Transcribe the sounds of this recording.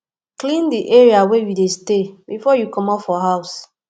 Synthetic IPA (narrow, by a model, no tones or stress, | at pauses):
klĩndiʔɛɹiawejudestebifɔjukɔ̃mɔfɔɦaʊs